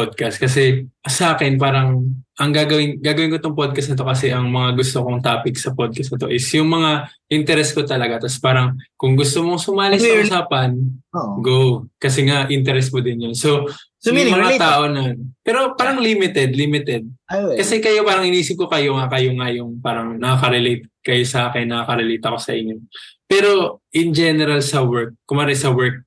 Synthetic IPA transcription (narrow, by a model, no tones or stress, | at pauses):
pod̪̚kɐst̪̚kɐsɛsɐʔaːkɛnp̬aːɾɐŋʔɐŋɡaːɡɐwɪnɡaːɡɐwɪnkot̪oŋpod̪̚kɐsnɐt̪o̞kɐsɛʔɐŋmɐŋaɡʊst̪okoŋt̪aːpɪksɐpod̪̚kɐsnɐt̪o̞̰ʔɪsjʊŋmɐŋaʔɪnt̪ɛɾɛsko̞t̪ɐlɐɡat̪ɐspaːɾɐŋkʊŋɡʊst̪omoŋsʊmaːlɪɐʔʊsaːpɐnɡowkɐsɛŋaʔɪnt̪ɛɾɛsmod̪ɪnjonso̞smɐŋaaːʔo̞nɐnpɛːɾo̞paːɾɐŋlimɪt̪ɛd̪limɪt̪ɛd̪̚kɐsɛkɐjo̞paːɾɐŋʔɪnʔiːsɪp̚ko̞kɐjo̞ŋakɐjoŋajʊŋpaːɾɐŋnɐkakɐɾɛlet̪̚kɐjo̞sɐʔaːkɪnːɐakɐɾɛlejt̪ɐko̞sɐ̰ʔɪɲːo̞pɛːɾo̞ʔɪnd͡ʒɛnɛɾɐlsɐwɛɹk̚ːʊmɐɾɛsɐwɛɹk̚